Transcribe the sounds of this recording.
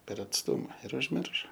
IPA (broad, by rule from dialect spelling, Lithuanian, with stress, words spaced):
pʲɛr ɐtsˈtʊmɐ ɪr ʊʒʲˈmʲɪrʃoː